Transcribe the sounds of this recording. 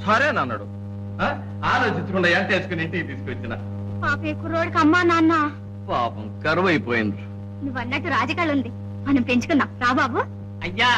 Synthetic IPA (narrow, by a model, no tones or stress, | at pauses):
sɐɾiɐnɐnːɐ̰ːɽṵ | a | aːɾoːt͡ʃiɲt͡ʃukuɳɖɐjaːnt̪eːsu̥kuniːʈit̪iːsu̥kuʋɐt͡ʃːinɐ | paːpekuɾoːɽkɐmːaːnaːnːaː | paːpɐmkɐɾuʋɐjpoːjind̪u | nuʋːɐnːɐʈːuɾaːd͡ʒɐkaːlund̪i | mɐnɐmpɾeɲt͡ʃukunːaːɾaːbaːbu | ɐjːa